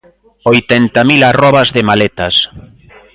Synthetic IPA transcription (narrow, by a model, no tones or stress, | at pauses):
ojt̪ɛnt̪amilarɔβazðɪmalet̪ɐs